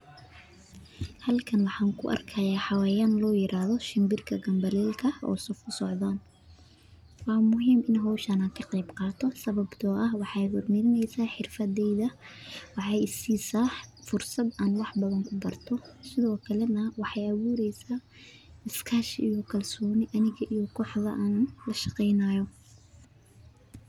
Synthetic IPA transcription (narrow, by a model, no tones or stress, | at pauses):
hɐlkʰɐnwɑħɑːŋkʰʊʔɐ̰rkʰɐjaːħɑwaːjanlɔːjɪɾʔaːhðɔʃɪmbɪrkʰɐɡɐmbɐlɛːlkʰɐʔɔ̰ːsɔfkʰʊsɔʕðaːn | wɑːmʊɦiːmɪnɦɔːʃɐnaːŋkʰɐqɑjbqɑːt̪ʰɔsɐβɐbt̪ʰɔːʔɐhwɑħɑːjɦʊrmɐɾɪnɛjsaːħɪrfɐðɛjðɐwɑħɑjsiːsɑħfʊrsɐd̪aːnwɑħbɐðɐŋkʰʊbɐrt̪ʰɔsɪðɔːkʰɐlɛnɐwɑħɑjɐwuːɾɛjsaː | ɪskʰaʃijɔkʰɐlsɔːnɪʔɐnɪɣɐʔijɔkʰɔːħðɐʔaːnlɐʃɑqɛjnaːjɔ